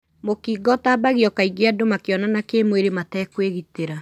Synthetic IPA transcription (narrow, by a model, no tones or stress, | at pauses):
mokiɡɔtabaɣiɔkaiɡeadomakeɔnanakemweɾematɛkweɣiteɾa